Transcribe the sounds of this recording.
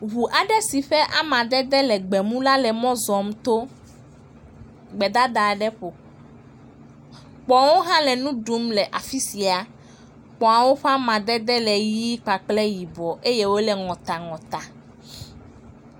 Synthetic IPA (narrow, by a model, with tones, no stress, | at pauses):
ɦu˨ʔa˨ɖɛ˦si˨ɸɛ˦ʔa˦mã˨d̪ɛ˦d̪ɛ˦lɛ˨ɡ͡bɛ˨mũ˦la˦lɛ˨mɔ̃˦zɔ˨m˦t̪o˦ | ɡ͡bɛ˨d̪a˦d̪a˨ɖɛ˦ɸo˨ | k͡pɔ˨wo˦ɦã˦lɛ˨nũ˦ɖu˦mlɛ˨ʔa˨fi˦si˨a˨ | k͡pɔ˨a˨wo˦ɸa˦mã˨d̪ɛ˦d̪ɛ˦lɛ˨ji˦k͡pa˨k͡plɛ˦ji˨bɔ˨ʔe˦je˦wo˦lɛ˨ŋɔ̃˨t̪a˨ŋɔ̃˨t̪a˨